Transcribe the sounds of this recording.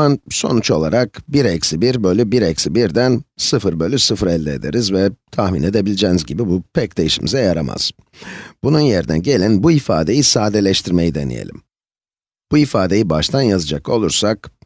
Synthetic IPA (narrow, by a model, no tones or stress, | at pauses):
anso̞nut͡ʃo̞lˠaɾak̚biɾɛcsibiɾbø̞lʲybiɾɛcsibiɾd̪ænsɯfɯɾbø̞lʲysɯfɯɾɛlʲd̪ɛːd̪e̞̰ɾizvɛt̪ʰahmine̞d̪e̞bilʲid͡ʒeːnizɟibibupʰɛc̚d̪e̞jiʃḭmʔḭzɛjaɾama̰z̥ | b̥ununjeɾd̪ɛ̰ɟe̞lʲinbuifa̰ːd̪e̞jisaːd̪elʲɛʃt̪ʰiɾme̞jid̪e̞nḭjḛlʲḭm | b̥uifaːd̪e̞jibaʃt̪ʰanjazɯd͡ʒako̞̰lˠuɾsak